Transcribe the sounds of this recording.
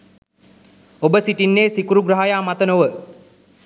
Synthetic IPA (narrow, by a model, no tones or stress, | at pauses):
obəsiʈinːeːsikuɾuɡɾəɦajaːmat̪ənoʋə